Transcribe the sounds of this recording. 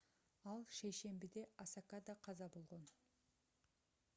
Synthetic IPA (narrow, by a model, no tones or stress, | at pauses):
ɑlˠʃejʃe̞mbid̪e̞ɑsɑkad̪ɑqʰɑzɑbo̞lˠʁo̞n